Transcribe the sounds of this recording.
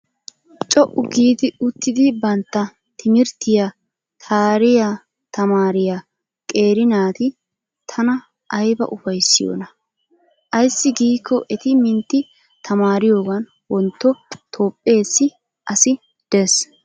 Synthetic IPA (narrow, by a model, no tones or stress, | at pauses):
t͡ʃʼɔʔʊɡiːd̪ɪʊt̪ːɪd̪ɪbɐnt̪ːɐ | t̪ʰɪmɪɾt̪ːɪja | t̪ʰaːɾɪja | t̪ɐmaːɾɪja | kʼe̞ːɾɪnaːt̪ɪ | t̪ʰɐnɐ | ʔɐjbɐ̰ʔʊfɐjsːɪjo̰ːnɐ | ʔɐjsːɪɡiːkʰːɔʔɛt̪ɪmɪnt̪ːɪ | t̪ʰɐmaːɾɪjo̞ːɡɐn | wɔnt̪ːɔt̪ʰo̞ːpʼːe̞ːsːɪ | ʔɐsɪ | d̪̥ɛs